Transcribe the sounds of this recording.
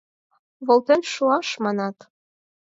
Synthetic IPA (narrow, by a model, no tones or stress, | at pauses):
βolt̪enʃuɑʃmɑnɑt̪